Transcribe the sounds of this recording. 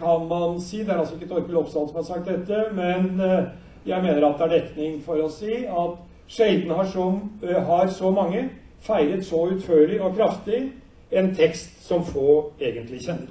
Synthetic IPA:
kʰɑnmɑnsiːd̪ɛæɾɑlsɔɪkːət̪ʰɔɾkəlɔpst̪ɑnd̪sɔmhɑɾsɑk̚t̪̚d̪ɛt̪ːəmɛn | jæɪmeːnəɾɑt̪̚d̪ɛæɖɛt̪nɪŋfɔɾɔsiːɑt̪ | ʂeɪd̪n̩əhɑʂɔmɦɑɾsɔmɑŋːə | fæɪɾət̪sɔʉt̪føːɭɪɔkʰɾɑft̪ɪ | ɛnt̪ʰɛkst̪sɔmfoːeːɡənt̪lɪçɛnːəɾ

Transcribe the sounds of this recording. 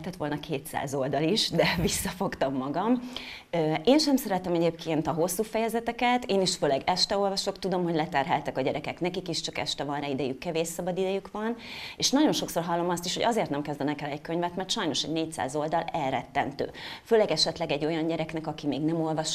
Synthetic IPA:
t̪ɛt̪ʋo̞lnɒkʰeːt̪sa̰ːzo̞ld̪ɒliʃd̪ɛvisːɒfo̞kt̪ɒmːɒɡɒm | øeːnʃɛmsɛɾɛt̪ɛmɛɟeːpkʰeːnt̪ɒɦo̞sːuːfɛjɛzɛt̪ɛkɛt̪eːniʃføːlɛɡɛʃt̪ɛo̞lvɒʃo̞kt̪ud̪o̞mɦo̞ɟlɛt̪ɛrɦɛ̰lt̪ɛkɒɟɛɾɛkɛknɛkikiʃt͡ʃɒkɛ̰ʃt̪ɛvɒnraid̪ɛjykːɛveːʃsɒbɒd̪id̪ɛjykʋɒneːʃnɒɟo̞nʃo̞kso̞rɦɒlːo̞mɒst̪iʃho̞ɟɒzeːrt̪nɛmkɛzd̪ɛnɛkɛlɛckøɲvɛt̪mɛrt̪ʃɒjno̞ʃɛ̰ɟneːc̚sa̰ːzo̞ld̪ɒlɛlrɛt̪ːɛnt̪ø̰ːføːlɛɡɛʃɛt̪lɛɡɛɟːo̞jɒɲɟɛɾɛknɛkɒkimeːɡnɛmo̞lvɒʃ

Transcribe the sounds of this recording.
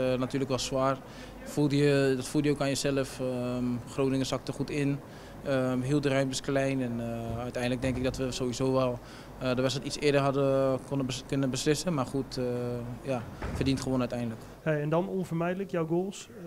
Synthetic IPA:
natyːləkʋɛlˠswaːr | fulˠtjədɔtfulˠtjəokaːnjəsɛləfəχroːnɪŋəsɑk̚təχutɪn | əɦiːlˠdərœɥmbəsklɛjnɛnœɥtɛjndlək̚dɛŋkɪkɡdɔtʋəzoʋizoːʋɛlˠ | ədəʋɛsətit͡ssɪədərɦadəkonəkønənbəslɪsənmarχut | jafərdintχəʋoːnœɥtɛjndələk | heɛndɔnɔnfərmɛjdələkjawɡoːlˠs

